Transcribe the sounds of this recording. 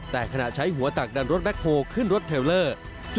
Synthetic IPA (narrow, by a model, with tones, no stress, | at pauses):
t̪ɛː˨˩kʰa˧na˨˩t͡ɕʰa˦˥jɦu˩˦ɐt̪a˨˩k̚da˧nɾo˦˥t̪̚bɛ˦˥k̚ʰhoː˧kʰɯ˥˩nɾo˦˥t̪ʰːeː˧wlɤː˥˩ | t͡ɕ